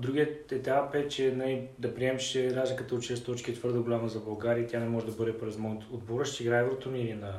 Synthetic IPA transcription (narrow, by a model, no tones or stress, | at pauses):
d̪ɾuɡʲiət̪ɛt̪apɛt͡ʃɛnɐlid̪ɐpɾiɛmʃt͡ʃɛd̪azlʲikət̪oot͡ʃɛst̪ɔt͡ʃkʲiɛt̪vɤɾd̪əɡolʲaməzɐbɐlˠɡaɾiət̪ʲjanɛmɔʒɛd̪ɐbɤd̪ɛpɾɛzmɔnt̪od̪boɾəʃt̪iɡɾajvɛlˠot̪onilinɐ